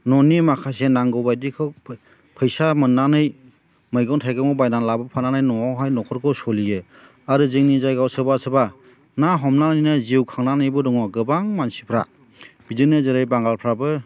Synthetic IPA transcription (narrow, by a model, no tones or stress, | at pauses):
nɔnimakʰasenaŋɡɔwbajdikʰɯwʰ | pʰɯjsamɯnːanɯj | mɯjɡɔwntʰajɡɯmɔbajnanlabɯpʰananajnɔawɦajnɔkʰɔɾkʰɯwsɔlijɯ | aɾɯzɯŋnizajɡawsɯbasɯba | naɦɔmnanijnaziwkʰaŋnanɯjbɯdɔŋɔɡɯbaŋmansipʰɾa̰ | b̥idɯnɯzɯɾɯjbaŋɡalpʰɾabɯ